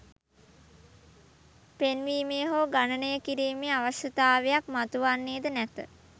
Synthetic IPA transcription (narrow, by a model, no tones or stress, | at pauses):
penʋiːmeːɦoːɡanənəjəkiɾiːmeaʋasjət̪aːʋejak̚mat̪uʋanːeːd̪ənæt̪ə̰